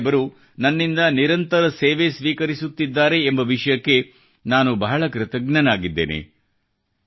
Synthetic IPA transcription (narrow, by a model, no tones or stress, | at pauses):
bɐɾu | nɐnːind̪ɐniɾɐnt̪ɐɾɐseːʋe̞sʋiːkɐɾisut̪ːid̪ːaːɾe̞ːmbɐʋiʂɐjɐkːe̞ | naːnubɐɦɐɭɐkɾɪt̪ɐɡnɐnaːɡid̪ːḛːnʔḛ